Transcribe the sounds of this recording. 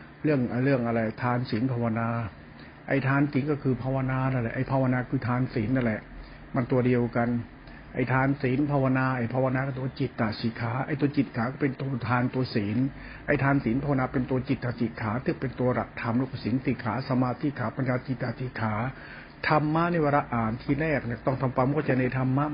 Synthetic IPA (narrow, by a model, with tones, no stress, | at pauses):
ɾɯ˥˩əŋʔa˧ɾɯ˥˩əŋʔa˧ɾa˧jt̪ʰaː˧nsiː˩˦npʰaː˧wa˧naː˧ | ʔa̰˧˩jt̪ʰaː˧nsiː˨˩˦nkɔː˥˩kʰɯː˧pʰaː˧wa˧naː˧na˥˩nlɛ˨˩ʔa˧˩jpʰaː˧wa˧naː˧kʰɯː˧t̪ʰaː˧nsiː˩˦nːa˥˩lɛ˨˩ʔ | ma˧nt̪u˧ɐdi˧əwka˧n | ʔa˧˩jt̪ʰaː˧nsiː˩˦npʰaː˧wa˧naː˧ʔa˧˩jpʰaː˧wa˧naː˧ka˧˩t̪u˧˦a˧t͡ɕi˨˩t̪ːa˨˩siː˩˦kʰaː˩˦˥ʔa˧˩jt̪u˧ɐt͡ɕi˨˩t̪̚kʰaː˩˦kɔː˥˩pe˧nt̪u˧ɐt̪ʰaː˧nt̪u˧ɐsiː˩˦n | ʔa˧˩jt̪ʰaː˧nsiː˨˩˦npʰaː˧wa˧naː˧pe˧nt̪u˧ɐt͡ɕi˨˩t̪̚ːaː˨˩t͡ɕi˨˩t̪̚kʰaː˩˦t̪ʰɯː˧˩pe˧nt̪u˧ɐɾa˨˩k̚t̪ʰa˧mɾu˥˩kʰsi˩˦nsiː˨˩kʰaː˩˦sa˧maː˧t̪ʰi˧˩kʰaː˨˦˥pa˧njaː˧t͡ɕi˨˩t̪̚ːa˨˩t̪ʰi˨˩kʰaː˩˦ | t̪ʰa˧mːaː˦˥˨na˥˩jwaː˧ɾa˦˧˥ʔaː˨˩nt̪ʰiː˧˩ɾɛː˥˩k̚ni˧˩t̪ɔ˥˩ŋt̪ʰa˧mpa˧m˦˥kːt͡ɕa˧˩na˧jt̪ʰa˧mːa˦˥